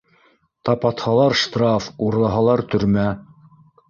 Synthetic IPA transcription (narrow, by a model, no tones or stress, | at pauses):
t̪ɑpɑt̪hɑlˠɑɾʃt̪rɑfuɾlˠɑɦɑlˠɑɾt̪ɵ̆ɾmæ